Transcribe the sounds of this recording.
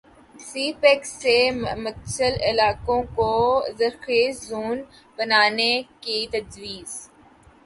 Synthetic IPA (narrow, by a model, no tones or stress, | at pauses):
siːpeksːemɐtt͡ʃəlɪlaːkõkozəɾxeːszuːn | bənaːnekit̪ɐd͡ʒʋiːz̥